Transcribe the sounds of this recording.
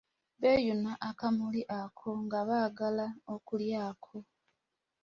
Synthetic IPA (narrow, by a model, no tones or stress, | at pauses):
βejunaʔakamuliʔakʰo̞ŋɡaβaːɡalaokuljaːkʰo̞